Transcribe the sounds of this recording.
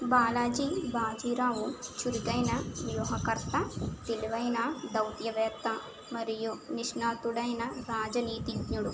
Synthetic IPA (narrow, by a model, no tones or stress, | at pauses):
baːlaːd͡ʒibaːd͡ʒiːɾaːʋut͡ʃuɾiɡɐjnɐʋjuːɦɐkɐɾt̪ɐt̪ilʋɐjnaːd̪ɐwt̪jɐʋeːt̪ɐ | mɐɾijuniʂnaːt̪uɽɐjnɐɾaːd͡ʒɐniːt̪ibɲuɽu